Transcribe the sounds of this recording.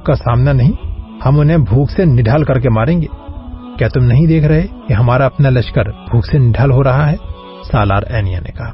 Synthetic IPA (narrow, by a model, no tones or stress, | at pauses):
kasaːmnanɐɦĩhɐmʊnɦẽbʱuːksenɪɖʱaːlkɐɾk̬emaːɾẽːŋɡeːkjaːt̪ʊmnɐɦĩd̪eːkʰɾɐɦekiɦɐmaːɾaɐpnalɐt͡ʃkəɾbʱuːksenɪɖʱaːlɦoɾɐɦaɦɛ | saːla̰ːɾɛ̰ːnija̰nḛkɐɦaː